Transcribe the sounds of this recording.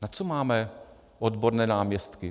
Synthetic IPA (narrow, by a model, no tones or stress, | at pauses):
nat͡somaːmɛ | ʔod̪boɾnɛːnaːmɲɛst̪kɪ